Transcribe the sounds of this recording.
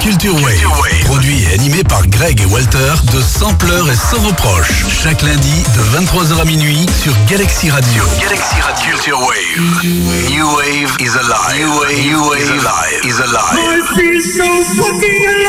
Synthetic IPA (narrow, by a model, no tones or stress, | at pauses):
kʲylt̪yʁwe | pχɔd̪ɥiḛa̰nimepaʁɡʁɛɡewalt̪ɛʁd̪əsɑ̃plœʁesɑ̃vopχɔ̰ʃ | ʃaklɛ̃d̪id̪əvɛ̃t̪t̪χwazœʁaminɥi | syʁɡalaksiʁad̪joɡalaksia | t̪ywe | v | uwe | vizal | u | izalasisɔfami